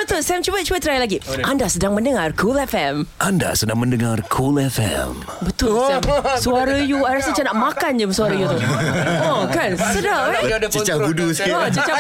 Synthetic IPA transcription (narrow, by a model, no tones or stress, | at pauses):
bət̪ʊlsɛmt͡ʃuwət̪̚t͡ʃuwət̪ɾajlaɡiʔandasədaŋmə̃ndəŋarkʰulɛfɛmʔanda̰sədaŋmə̃ndəŋarkʰulɛfɛ̰m | bət̪ʊlsɛmsuaɾəjuajɾasət͡ʃanaʔmakand͡ʒəsuaɾəjut̪ʊokansədaat͡ʃət͡ʃaɡuduskiat͡ʃət͡ʃa